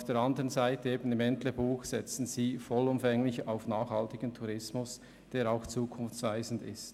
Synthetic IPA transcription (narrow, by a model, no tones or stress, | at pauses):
fd̥eːɾandəʁənzaɪtəeːbn̩ɪmɛntləbuːxsɛt͡sn̩ziːfɔlʊmfɛŋlɪçaʊfnaːxhɑltɪɡ̥əntʰuʁɪsmʊs | d̥eːɾaʊxt͡suːkʰʊnft͡sv̥aɪzn̩dɪ̰st